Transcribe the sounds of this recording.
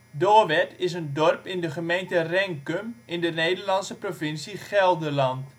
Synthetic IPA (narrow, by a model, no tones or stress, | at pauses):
doːʋɛtɪs̬əndɔrpɪndəχəmejntərɛŋkømɪndənejdərlɑnsəprofɪnsiχɛlˠdəlɑnt